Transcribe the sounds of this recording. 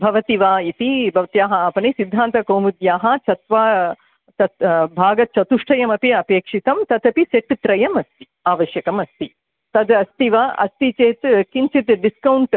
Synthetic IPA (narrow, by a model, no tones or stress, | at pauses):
bʱɐʋɐt̪iʋaːit̪ibʱɐʋt̪jaːɦɐaːpɐnisid̪ʱːaːnt̪ɐkoːmud̪jaːɦɐt͡ʃʰɐt̪ʋaː | t͡ʃɐt̪bʱaːɡɐt͡ʃɐt̪uʂʈʰɐjɐmɐpiɐpeːkʂit̪ɐmt̪ɐd̪ɐpit͡ʃeʈt̪ɾɐjɐmɐst̪i̥ | aːʋɐʃjɐkɐmɐst̪i | t̪ɐd̪ɐst̪iʋaʔɐ̰st̪it͡ʃeːt̪kiɲt͡ʃit̪ɖiskɐwɳʈ